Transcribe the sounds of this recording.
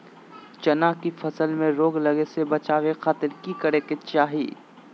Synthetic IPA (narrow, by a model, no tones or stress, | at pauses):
t͡ʃɐnaːkifʰɐsəlmẽɾoːɡlɐɡesebɐt͡ʃaːʋexaːt̪ɪɾkikɐɾeket͡ʃaːɦiː